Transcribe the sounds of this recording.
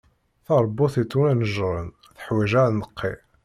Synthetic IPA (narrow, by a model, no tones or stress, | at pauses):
θɑɾˤbːʊθit͡sːunænəʒʁˤən | θə̥ħwiʒaɾnəqːḭ